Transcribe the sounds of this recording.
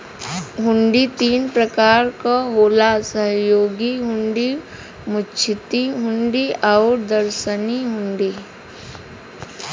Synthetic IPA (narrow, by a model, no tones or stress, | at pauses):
ɦʊ̃ɳɖit̪iːnpɾəkaːɾkaɦoːlasəɦjoːɡiɦʊ̃ɳɖi | mʊt͡ʃʰɪt̪iɦʊ̃ɳɖiaʊɾd̪əɾʃəniɦʊ̃ɳɖi